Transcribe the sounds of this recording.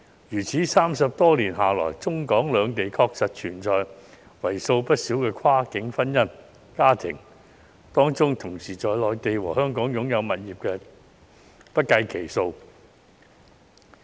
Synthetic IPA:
jyː˨˩t͡sʰiː˨˥saː˥msɐ˨p̚t̪ɔː˥liː˨˩nɦaː˨lɔ̰ː˨˩jt͡sʊ˥ŋkɔː˨˥ŋlœː˨˧ŋt̪e˨jkʰɔː˧k̚sɐ˨t̚t͡ʃʰyː˨˩nt͡sɔː˨j | wɐ˨˩jso˧wpɐ˥t̚siː˨˥wkɛː˧kʰwaː˥kɪ˨˥ŋfɐ˥njɐ˥n | kaː˥t̪ʰɪ̰˨˩ŋ | t̪ɔː˥ŋt͡sʊ˥ŋt̪ʰʊ˨˩ŋsiː˨˩t͡sɔː˧jlɔː˨˧jt̪e˨jwɔː˨˩hœː˥ŋkɔː˨˥ŋjʊ˨˧˥ŋjɐ˨˧wmɐ˨t̚jiː˨p̚kɛː˧ | pɐ˥t̚kɐ˧jkʰe˨˩jso˧w

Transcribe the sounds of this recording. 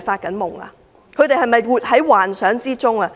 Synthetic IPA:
faː˧t̚kɐ˨˥nmʊ˨˩ŋa̰ː˧ | kʰɵ˨˧ɥt̪e˨jhɐ˨jmɐ˨jwuː˨˩t̚hɐ˨˥jwaː˨˩nsœː˨˥ŋt͡siː˥t͡sʊ˥ŋa˧

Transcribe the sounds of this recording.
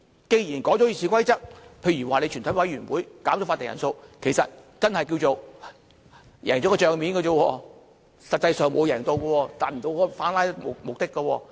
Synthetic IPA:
ke˧jjiː˨˩nkɔː˨˥t͡sɔː˨˥jiː˧sʰiː˨˧˥kʷɐ˥jt͡sɐ˥k̚pʰe˧jɥyː˨˩waː˨ne˧jt͡ʃʰy˨˩t̪ʰɐ˨˥jwɐ˨˥jɥyː˨˩nwuː˨˥jkaː˨˥mt͡ʃɔ˨˥faː˧t̪e˨ŋjɐ̰˨˩nso˧wkʰe˨˩jsɐ˨t̚t͡sɐ˥nhɐ˨jkiː˧wt͡so˨w | jɛ̰ː˨˩ŋt͡ɕɔ˨˥kːɔ˧t͡ʃœː˨ŋmiː˨˥nkɐ˧o˧wɔː˧ | sɐ˨t̚t͡sɐ˧jsœː˨˧ŋmo˨˧wjɛː˨˩ŋt̪o˧wɡɐ˧wɔː˧t̪aː˨˩m̩˨˩t̪o˧wkɔ˧˥faː˨˥nlaː˥jm˨mʊ˨k̚t̪ɪ˥kːɐ˧wɔː˧

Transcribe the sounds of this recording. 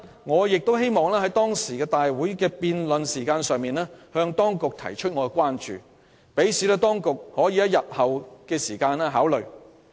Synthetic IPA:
ŋɔː˨˧jɪ˨k̚t̪o˥wɦe˥jmɔː˨ŋlɛː˥hɐ˨˥jt̪ɔː˥ŋsiː˨˩kɛː˧t̪aː˨jwuː˨˥jkɛː˧piː˨˧nlɵ˨nsiː˨˩kaː˧nsœː˨˧ŋmiː˨nlɛː˥hœː˧ŋt̪ɔː˥ŋkʊ˨k̚t̪ʰɐ̰˨˩jt͡ʃʰɵ˥t̚ŋɔ˨˧ɛ˧kʷaː˥nt͡ʃy̰ː˨ | pe˨˥jsiː˨˥lɛː˥t̪ɔː˥ŋkʊ˨k̚hɔː˨˥jiː˨˧jɐ˥jɐ˨t̚hɐ˨wkɛː˧siː˨˩kaː˧nɛː˥ɦaː˨˥wlɵ˨ɥ

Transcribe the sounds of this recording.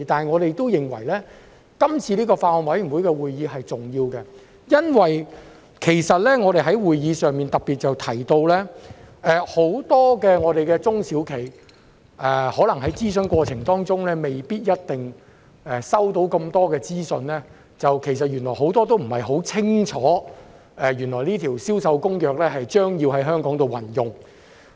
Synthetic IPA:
t̪aː˨n˨jŋɔː˨˧ɾe˨jt̪o˥wjɪ˨ŋwɐ˨˩jlɛː˥ | kɐ˥mt͡sʰiː˧liː˥kɔː˧faː˧˨nwɐ˨˥jy˨˩wuː˨˥jkɛ˧wuː˨˩jjiː˨˧ɦɐ˨jt͡sʊ˨ŋjiː˧wkɛ˧ | jɐ˥nwɐ˨j | kʰe˨˩jsɐ˨t̚lɛː˥ŋɔː˨˧ɾe˨jɦɐ˨˥jwuː˨jjiː˨˧sœː˨˧ŋmi˨nt̪ɐ˨k̚pːiː˨t̚t͡sɐ˨wt̪ʰɐ˨˩jt̪o˧wlɛː˥ɛː˨˧ho˨˥wt̪ɔː˥kɛː˧ŋɔː˨˧ɾe˨jkɛː˧t͡sʊ˥ŋsi˨˥wkʰe˨˩j | ʔɛ˨hɔː˨˥lɐ˨˩ŋɦɐ˨˥jt͡siː˥sɵ˧nkʷɔː˧t͡sʰɪ˨˩ŋt̪ɔː˥ŋt͡sʊ˥ŋlɛː˥me˨jpiː˥t̚jɐ˥t̚t̪ɪ˨ŋ | ɛ˨sɐ˥wt̪o˨˥wkɐ˧mt̪ɔː˥kɛː˧t͡siː˥sɵ˧nlɛː˥ | t͡sɐ˨wkʰe˨˩jsɐ˨t̚ɥy˨˩nlɔː˨˩jɦo˨˥wt̪ɔː˥t̪̬o˥wm̩˨˩hɐ˨jɦo˨˥wt͡sʰɪ˥ŋt͡ʃʰɔː˨˥ | ɛː˨˧ɥy˨˩nlɔː˨˩jniː˥t̪ʰiː˨˩wsiː˥wsɐ˧wkʊ˥ŋjœː˨k̚lɛː˥ɦɐ˨jt͡ʃœː˥ŋji˧wɦɐ˨˥jɦœː˥ŋkɔː˨˥ŋt̪o˨wɐ˨˩njʊ˨˩ŋ

